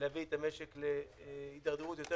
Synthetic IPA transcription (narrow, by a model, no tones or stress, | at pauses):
lavit̪ameʃeklehid̪aʁd̪eʁut̪jo̞t̪e